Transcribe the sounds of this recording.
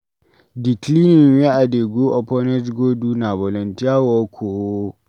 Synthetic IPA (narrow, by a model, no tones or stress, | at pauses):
diklinɪŋweʔadeːɡoʔɔpɔnɛtɡoːduːnabɔlɔntiawakʷʰoːwo